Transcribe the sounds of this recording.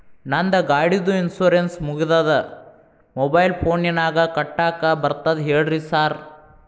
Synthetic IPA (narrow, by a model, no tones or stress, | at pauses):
nɐnd̪ɐɡaːɽid̪uinsoːɾensmuɡid̪ɐd̪ɐ | mɔbɐjlpʰoːnjɐnaːɡɐkɐʈːaːkabɐɾt̪ɐd̪ɦeːɭɾisaːɾ